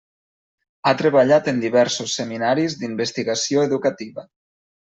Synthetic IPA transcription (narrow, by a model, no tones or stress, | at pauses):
at̪ɾəβəʎat̪ənd̪iβɛɾsusːəminaɾizd̪imbəst̪iɣəsioeðukət̪iβə